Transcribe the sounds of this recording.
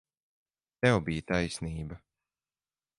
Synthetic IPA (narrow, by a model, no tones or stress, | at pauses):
t̪ɛwbijt̪ajsniːbɐ